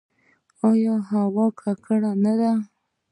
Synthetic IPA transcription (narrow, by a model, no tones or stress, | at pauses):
ɑjɑɦawɑkʰakʰəɽanad̪a